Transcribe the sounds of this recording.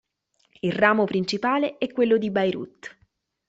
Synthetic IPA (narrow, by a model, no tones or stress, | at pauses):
ilraːmopɾint͡ʃipaːleɛkːwelːod̪ibajɾṵt̪ː